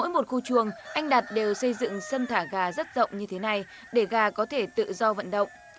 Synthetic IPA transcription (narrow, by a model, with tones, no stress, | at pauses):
o̰˧˥jmo˨˩t̚xu˧t͡ɕɨ˨˩əŋʔa˧jŋ̟ɗa˨˩t̚ɗe˨˩wsə˧jzɨ̰˧˨ŋsə˧nt̪ʰaː˧˩ɣaː˨˩zə˦˥t̚zə̰˧˨wŋ͡mɲɨ˧t̪ʰe˨˦na˨˩j | ɗe˧˩ɣaː˨˩kɔ˨˦t̪ʰe˧˩t̪ɨ̰˧˨zɔ˧və̰˧˨nɗə̰˧˨wŋ͡m